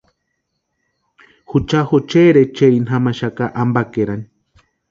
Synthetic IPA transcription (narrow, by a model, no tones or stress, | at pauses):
hut͡ʃahot͡ʃeɾet͡ʃeinɦamaʃakaʔambakeɾani